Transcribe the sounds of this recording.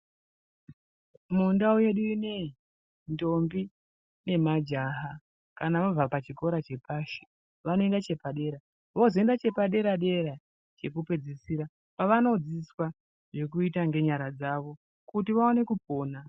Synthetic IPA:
mundaoje̞ɗuine̞ | ndo̞mbi | ne̞mad͡ʒaɦa | kanaʋab͡vapat͡ʃiko̞ɾat͡ʃe̞paːʃi̥ | ʋano̞e̞ndat͡ʃe̞paɗe̞ɾa | ʋozoendat͡ʃe̞paɗe̞ɾaɗe̞ɾa | t͡ʃe̞kupe̞d͡zisiːɾa | paʋano̞d͡ziswa | ʐe̞kuitaŋɡe̞ɲaɾad͡zaʋo̞ | kutiʋaone̞kupo̞ːna

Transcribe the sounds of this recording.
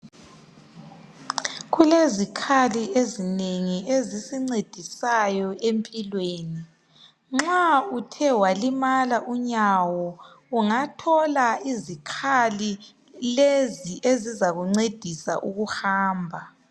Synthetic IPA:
ɣulezikʰaliezineŋiezisiŋ͡ǀed̥ʱisajɔempʼilweːni | ŋ͡ǁautʰɛwalimalaʔuɲawɔ | uŋatʰɔlaizikʰali | leziʔezizaɣuŋ͡ǀed̥ʱisa̰ʔuɣuhaːmbʱa

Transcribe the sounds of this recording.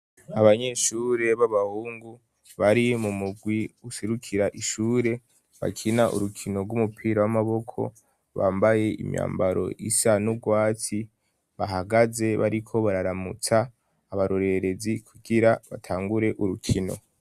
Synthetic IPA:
aβaɲe̞ʃuːɾe̞βaβahuːŋɡu | βaɾimumuɡwiuʃeɾukʰiɾaʔiʃuːɾe̞ | βa̰kʰinaʔṵɾukʰino̞ɡwumupʰiːɾawamaβo̞kʰo̞̰ | βa̰ːmbaje̞ḭmja̰ːmbaɾo̞̰ʔisanub̚ɡwaːt͡si | βaɦaɡaze̞βa̰ɾikʰo̞βaɾaɾamut͡saː | βaɾoɾe̞ɾe̞zikʰuɡiɾaβa̰tʰaːŋɡuɾe̞ʔuɾukʰino̞̰

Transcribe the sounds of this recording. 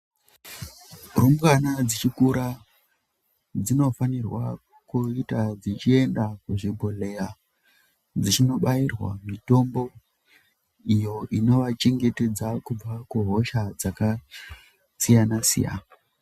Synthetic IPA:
rumkanad͡zit͡ʃikuɾa | d͡zino̞fanirwa | kuitad͡zit͡ʃie̞ndakuʐibʱole̞ja | d͡zit͡ʃino̞ɓairwa̰mito̞mbo̞ | ijo̞ʔino̞ʋat͡ʃeŋɡe̞te̞d͡zakub͡vakuɦo̞ʃad͡zaka | sijanasḭja̰na

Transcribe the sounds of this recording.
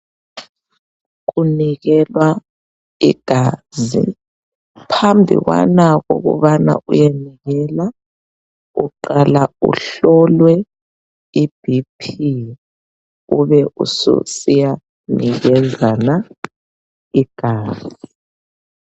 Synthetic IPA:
ɣ̬uniɣɛlwa | ḭɡ̥ʱaːzḭ | pʰambʱḭɣwa̰naɣo̰ɣṵβana̰ʔujeniɣɛla | uǃalaṵɬɔlwɛ | ib̥ʱipʰi | uβɛʔṵsṵsija | niɣɛzana | iɡ̥ʱaːzi

